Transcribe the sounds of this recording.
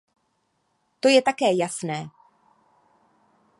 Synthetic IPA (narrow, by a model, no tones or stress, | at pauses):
t̪o̞jɛt̪akɛːjasnɛː